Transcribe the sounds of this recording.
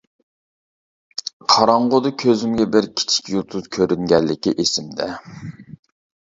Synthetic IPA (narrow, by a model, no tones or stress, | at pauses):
qʰɑɾɑɴʁʊd̪ɨkʲʰøzymɡʲɛbɪɾkʲʰi̥t͡ʃʰi̥kʲjulˠt̪ʰuzkʲʰøɾyŋɡʲɛlːɪkʲḭʔesɪmd̪ɛ̰